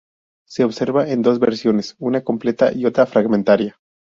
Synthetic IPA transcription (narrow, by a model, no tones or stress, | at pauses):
se̞oβse̞ɾβaʔend̪o̞zβeɾsjo̞ne̞sunako̞mple̞t̪a̰ʔio̞t̪ɾafɾaɣmẽnt̪aɾja